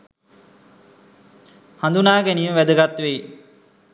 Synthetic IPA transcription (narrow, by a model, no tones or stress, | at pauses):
hand̪unaːɡæniːməʋæd̪əɡat̪ːʋej